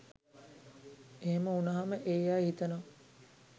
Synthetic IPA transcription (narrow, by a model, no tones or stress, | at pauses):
eɦeməunɐɦaməʔejaːhit̪əno